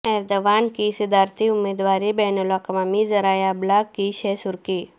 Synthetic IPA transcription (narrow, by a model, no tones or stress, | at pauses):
ɛːɾd̪oʋaːnkisɪd̪ʱaːɾt̪ʰiʊmeːd̪ʋaːɾibɛnolakmamizɐɾaːjablakːiɕɛsuɾki